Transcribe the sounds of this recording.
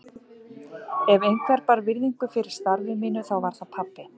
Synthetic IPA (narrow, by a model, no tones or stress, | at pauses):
ɛvejnkʰvɛɾpaɾvɪɾðiŋkʏfɪɾɪɾ̥st̪aɾvɪmiːnʏθawvaɾ̥θaðpʰapːɪ